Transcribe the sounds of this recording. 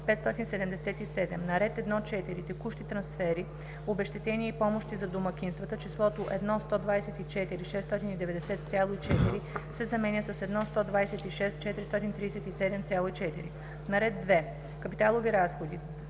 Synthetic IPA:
pɛt̪st̪ɔt̪insɛd̪ɛmd̪ɛsɛt̪isɛd̪ɛmnɐɾɛt̪ɛd̪nɔt͡ʃɛt̪iɾit̪ɛkuʃt̪it̪ɾɐnsfɛɾi | obɛʃt̪ɛt̪ɛniɛipɔmoʃt̪izɐd̪omɐkʲinst̪vɐt̪ət͡ʃislˠɔt̪oʔɛd̪nɔst̪ɔd̪vajsɛt̪it͡ʃɛt̪iɾiʃɛst̪ɔt̪inid̪ɛvɛd̪ɛsɛt̪t̪sʲalˠoit͡ʃɛt̪iɾisɛzɐmɛnʲəsɐsɛd̪nɔst̪ɔd̪vajsɛt̪iʃɛst̪t͡ʃɛt̪iɾist̪ɔt̪int̪ɾiːɛsɛt̪isɛd̪ɛmt̪sjalˠoit͡ʃɛt̪iɾi | nɐɾɛd̪̚ːvɛ | kɐpit̪alˠoviɾasxod̪i

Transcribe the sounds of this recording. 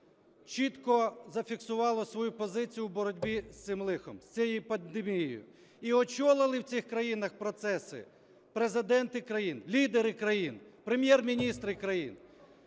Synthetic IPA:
t͡ʃit̪kɔzɐfʲiksʊʋɑlˠɔsʋɔjupɔzɪt͡sʲijʊuwbɔɾɔdʲbʲisɪmlˠɪxɔmsʲt͡sʲɛjijpɐnd̪emʲijijjʊ̰ | iɔt͡ʃɔlˠɪlˠɪwt͡sʲixkɾɐjinɐxpɾɔt̪sɛsɪ̰ | pɾezɪd̪ɛnt̪ɪkɾɐjinlʲid̪eɾɪkɾɐjinpɾemʲjɛrmʲinʲist̪ɾɪkɾɐjin

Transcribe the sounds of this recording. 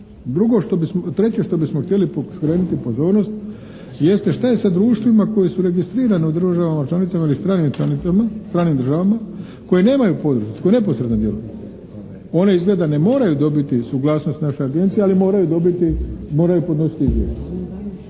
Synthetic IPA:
d̪ɾuɡo̞ʃt̪obist̪ɾe̞t͡ɕeʃt̪o̞bismoxt̪je̞liposkɾeːnut̪ipo̞zo̞ːɾno̞st̪ | je̞st̪e̞ʃt̪aje̞sad̪ɾuːʃt̪ʋimako̞jesuɾe̞ɡist̪ɾiːɾaneud̪ɾr̩r̩ʒaʋamat͡ʃlanit̪samailist̪ɾaːnimt͡ʃaniamast̪ɾaːnimd̪ɾ̩ʒaʋama | ko̞jene̞ːmajupo̞d̪ɾuʃko̞ene̞po̞sɾed̪nod̪je̞lṵju | o̞ne̞izɡled̪ane̞mo̞ːɾajud̪o̞bit̪isuɡlˠaːsno̞st̪naʃo̞jaɡe̞nt̪sijealimo̞ːɾajud̪o̞bit̪imoɾajupo̞d̪no̞si̥t̪iizʋʲjḛʒd̪

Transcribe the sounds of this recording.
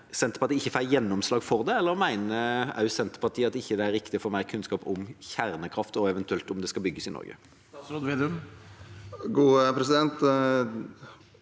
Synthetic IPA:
sɛnt̪ə̥ɾpɑʁt̪iːɪçːəfæɪjɛnːɔmslɑːɡfɔʁd̪ɛɛlːəɾmæɪnəɑ̰ʉsɛnt̪ə̥pʰɑʁt̪ʰiːɑt̪ːɪçːəd̪ɛæɾːɪkt̪ɪfɔɾmæɪkʰʉnskɑːpʊmçæʁnəkʰɾɑft̪ɔɛʋɛnt̪ʉɛlt̪ɔmd̪ɛskɑlbʏɡːəsɪnɔ̰ɾɡə̰ | ɾɔd̪ʋeːd̪əm | ɡuːpʰɾɛsɪd̪ɛnt̪

